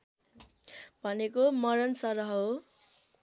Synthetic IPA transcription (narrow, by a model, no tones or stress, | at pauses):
bʱʌnekomʌɾʌnsʌɾʌɦo